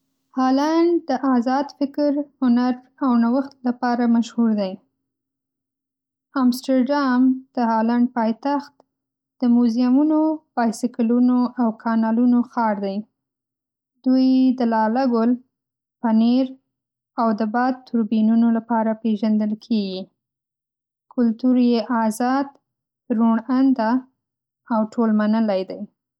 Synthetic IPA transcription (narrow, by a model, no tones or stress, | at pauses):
hɑlaɳɖd̪əʔazɑd̪fɪkɾhʊnaɾ | awnawəxt̪lapɑɾamaʃhuɾd̪aj | amsʈaɾɖɑmd̪̥əhɑlaɳɖ̚pɑjt̪axt̪ | d̪̥əmuzijamunobɑjsɪklunoʔawkʰɑnɑlunoxɑɾd̪aj | d̪̥ujd̪əlɑlaɡʊl | paneɾ | awd̪əbɑd̪̚t̪ʰʊɾbinunolapɑɾapeʒand̪əlkʰeɡi | kʰʊlt̪uɾjeʔɑzɑd̪ | ɾuɳand̪a | awʈʰolmanəlajd̪aj